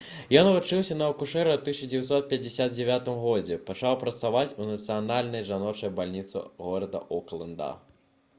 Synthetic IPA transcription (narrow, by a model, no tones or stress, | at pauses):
jɔnvut͡ʂɨwsʲɐnɐɐkuʂɛɾɐt̪ɨsʲt͡ʃɐd͡zʲejɛwt̪sɔt̪̚pʲjɐd͡zʲɪsʲad̪̚d͡zʲɛvʲat̪ɨmɣɔd͡zʲɛpat͡ʂawpɾɐt̪savat͡sʲunɐt̪sɨjanalʲnɐjʐanɔt͡ʂɐjbalʲnʲit̪sɨ̰ɣɔɾɐd̪ɐ̰ʔuklˠɨnd̪a̰